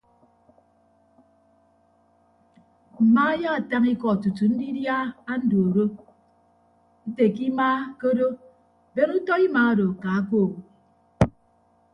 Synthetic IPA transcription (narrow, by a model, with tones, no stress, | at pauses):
m̩˨maː˦ja˦a˨ta˦ŋi˦kɔ˨tu˨tu˨n̩˦di˦dja˦a˦n̩˦do˨o˨ɾo˦ | i˦te˨ki˦maː˦ko˦do˦ | be˦ŋu˦tɔ˦i˦maː˨˦a˦do˨ka˨a˦ko˦˨wo˨i˨